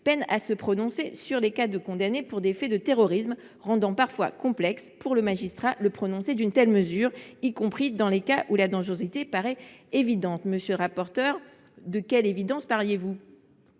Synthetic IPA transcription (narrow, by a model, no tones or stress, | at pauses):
pɛnasəpχɔnɔ̃sesyʁlekad̪əkɔ̃d̪anepuʁd̪efɛd̪ət̪eʁɔʁism | ʁɑ̃d̪ɑ̃paʁfwa̰kɔ̃plɛkspuʁləmaʒist̪χaləpχɔnɔ̃sed̪ynt̪ɛlməzyːʁikɔ̃pχid̪ɑ̃lekaʔulad̪ɑ̃ʒʁozit̪epaʁɛevid̪ɑ̃t̪məsjøləʁapɔʁt̪œʁ | d̪əkʲɛlevid̪ɑ̃spaʁljevu